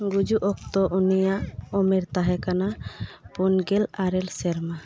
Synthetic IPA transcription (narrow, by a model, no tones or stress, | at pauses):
ɡud͡ʒuʔɔk̚t̪ɔʔunijaʔɔmɛɾt̪aɦɛkanapunɡɛlaɾɛlsɛɾma